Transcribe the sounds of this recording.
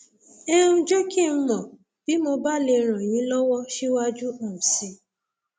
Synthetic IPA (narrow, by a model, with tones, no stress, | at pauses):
e˦ɾũ˧d͡ʒe˦kĩ˦˨˦mɔ̃˨ | b̥i˨˦mo˧ba˦le˧ɾ̃ã˨j̃ĩ˨˦lɔ˦wɔ˦ʃi˦wa˦d͡ʒu˦õ˨si˨˧